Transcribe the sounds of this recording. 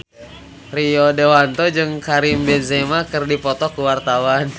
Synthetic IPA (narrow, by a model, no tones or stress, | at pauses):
riɔdewant̪ɔd͡ʒɨŋkaɾimbɛnsemakɨrdipɔt̪ɔkuwart̪awan